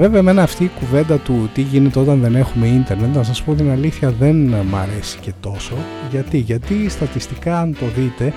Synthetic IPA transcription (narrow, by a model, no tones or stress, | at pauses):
ve̞veɐme̞nɐːft̪iːkuvend̪ɐt̪ut̪iʝine̞t̪eo̞t̪ɐnðe̞ne̞xume̞int̪e̞ɾnet̪nɐs̬ɐspot̪inɐliθçɐðe̞nmɐ̰ɾe̞si̥ce̞t̪o̞so̞ʝɐt̪iʝɐt̪ist̪ɐt̪ist̪ikɐɐnt̪o̞ðit̪e̞